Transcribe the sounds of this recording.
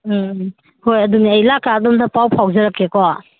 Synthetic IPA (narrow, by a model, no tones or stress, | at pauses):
hojɐduniɐjlakadɔmtapawpʰawzɐɾakːekɔ